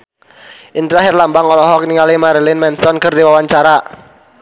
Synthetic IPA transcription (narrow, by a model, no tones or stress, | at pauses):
ʔint̪ɾaɦɛrlambaŋɔlɔɦɔkniŋalimaɾilɪnmɛnsɔnkɨrdiwawaɲt͡ʃaɾa